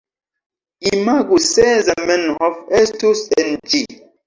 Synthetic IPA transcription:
imaɡusɛzamɛ̃nhɔvɛstusɛ̃nd͡ʒi

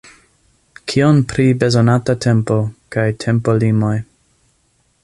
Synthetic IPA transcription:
kʰionpɾibe̞zonatatʰe̞mpo̞kajtʰe̞mpolimo̞j

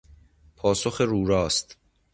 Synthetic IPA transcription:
pʰɒːsoxeɾuːɾɒːst̪

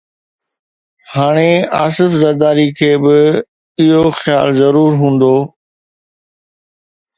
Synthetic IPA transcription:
haːɽ̃eaːsɪfzɐɾd̪aːɾikʰeːbɪ | ɪɦoxja̰ːlzɐɾuːɾɦũːn̆d̪oː

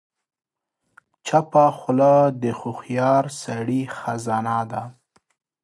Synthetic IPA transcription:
t͡ʃapaxʊlad̪əxʊxjɑɾsaɽixazɑnɑd̪a

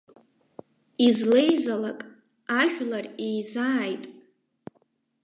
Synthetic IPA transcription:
izle̞jzalakʼ | aʒᶣlarejzaːjtʼ

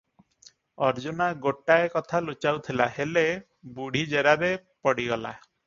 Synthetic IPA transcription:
ɔɾd͡ʒunaɡoʈaekɔt̪ʰalut͡ʃawt̪ʰilahele | buɽ̤id͡ʒeɾaɾepɔɽiɡɔla̰

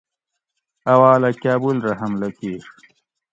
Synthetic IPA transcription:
ɐwaːlakjaːbulɾɐɦɐmlɐkeːʂ

